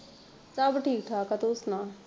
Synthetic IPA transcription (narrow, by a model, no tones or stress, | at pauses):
sabʈʰiːk̚ʈʰaːkat̪oʊsnãː